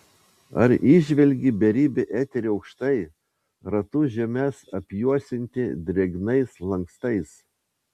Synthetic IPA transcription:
ɐ̰ɾiʒʲʋʲɛlʲɡʲibʲɛɾʲiːbʲɛʔæːt̪ʲɛɾʲiɐʊkʃt̪ɐɪ | ɾɐt̪ʊʒʲɛmʲɛsɐpʲjuɔsʲɪnʲt̪ʲɪd̪ʲɾʲɛɡnɐɪslˠɐŋkst̪ɐɪs

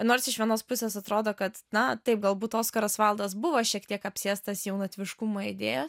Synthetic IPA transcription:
noːɾsɪʃʋʲiɛnoːspʊsʲeːsɐt̪ɾoːd̪oːkɐt̪nɐt̪ɐɪp̚ɡɐlˠbuːt̪oːskɐɾosʋɐlˠd̪oːs̬bʊʋoʃʲiɛkt̪ʲiɛkɐpʲsʲeːst̪ɐsjɛʊnɐt̪ʲʋʲɪʃkumoːɪd̪ʲeːjos

